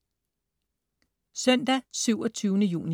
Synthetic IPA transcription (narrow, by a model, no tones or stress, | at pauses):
sœn̰d̥æsyʊ̰ɒt͡sʰyːʊnəjṵːni